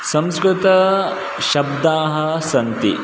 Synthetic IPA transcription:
sɐ̃mskɾɪt̪ɐ | ʃɐb̚d̪aːɦɐsɐnt̪ḭ

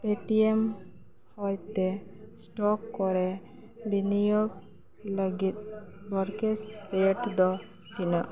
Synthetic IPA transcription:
peʈiem | hɔjt̪esʈɔkːɔɾɛ | binijɔk | ləɡit̪̚ | bɔɾkesɾeʈd̪ɔ | t̪inaʔ

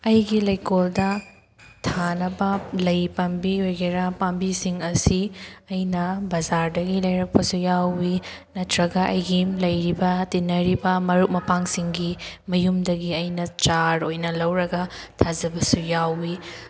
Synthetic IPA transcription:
ɐjɡilɐjkoldɐ | tʰanɐbɐlɐjpɐmbiojɡeɾapambisiŋɐsiɐjnɐbɐzaɾdɐɡilɐjɾɐk̚pɐsujawːi | nɐtɾɐɡɐʔɐjɡimlɐjɾibɐtinːɐɾibɐmɐɾuk̚mɐpaŋsiŋɡimɐjumdɐɡiɐjnɐt͡ʃaɾojnɐlɐwɾɐɡɐ | tʰazɐbɐsujawːi

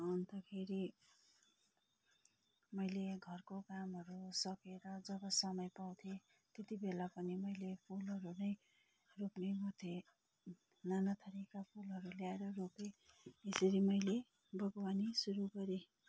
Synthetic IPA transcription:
unt̪akʰeɾi | mʌjleɡʱʌrkokamɦʌɾusʌkeɾʌd͡zʌbʌsʌmʌjpaw̃t̪ʰje | t̪et̪ibelapʌnimʌjlepʰulʌɾunʌj | roknebut̪ʰe | nanat̪ʰʌɾikapʰulɦʌɾuljaeɾʌrokeesʌɾimʌjle | bʌɡwanisuɾuɡʌɾe

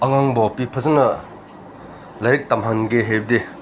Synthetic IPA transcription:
ɐŋaŋbɔpipʰɐzɐnɐ | laɾik̚tamɦanɡeɦeb̚de

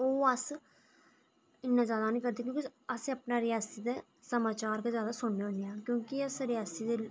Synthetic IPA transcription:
oːəs | ɪnːaːzjaːd̪aːnĩːkəɾd̪eːkjõːkiəsẽəpnaːɾɪjaːsiːd̪eː | səmaːt͡ʃaːɾkazjaːd̪aːsʊɳːeõːneãːkjõːkɪəsɾɪjaːsiːd̪eː

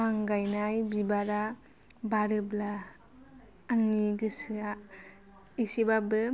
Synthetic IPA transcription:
aŋɡajnajbibaɾa | baɾɯbla | aŋniɡɯsɯa | isibabɯ

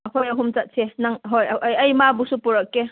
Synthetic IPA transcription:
ɐkʰojɐɦumt͡ʃɐt̚sʰenaŋɦojʔɐjɐjmabusupuɾɐkːe

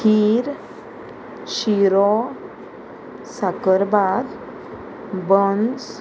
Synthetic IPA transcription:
kiɾ | ɕiɾɔ | sakəɾbad̪ | bəns

